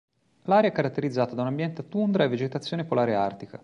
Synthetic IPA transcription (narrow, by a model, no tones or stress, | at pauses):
laɾeaɛkːaɾat̪ːeɾid̪zːaːt̪ad̪aunambjɛnt̪at̪und̪ɾaevːed͡ʒet̪at̪sːjoːnepolaːɾeart̪ika